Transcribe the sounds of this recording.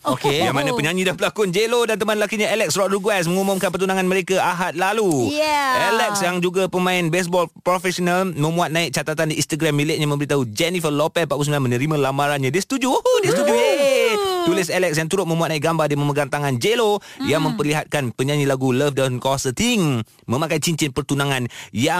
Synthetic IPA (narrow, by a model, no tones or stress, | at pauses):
okejaŋmanapəɲãɲĩdapəlakʊnd͡ʒelodant̪əmanlakiɲaelɛk̚sɾɔʔ̪ɾuɡwɛs̬məŋumʊmkanpərt̪unaŋanməɾekaʔaɦat̪̚lalu | ɛlɛksjaŋd͡ʒuɡapəmãɪnbɛs̬bɔlpɾofɛsɔnalmə̃muat̪̚nãɪk̚t͡ʃat̪at̪andiinst̪aɡɾamːilɪʔ̚ɲamə̃mbəɾit̪aud͡ʒɛnifəlopɛpaʔpus̬milamənəɾimãlamaɾanɲãdisə̥t̪ud͡ʒuohodisət̪ud͡ʒujet̪ulɪsɛlɛk̚sjaŋt̪uɾʊt̪̚mə̃muat̪̚nãɪkɡambadiməməɡant̪aŋand͡ʒelojaŋmə̃mpərliɦat̪̚kanpəɲaɲilaɡuləfdaamkawasat̪iŋ | mə̃makait͡ʃiɲt͡ʃinpərt̪unaŋanja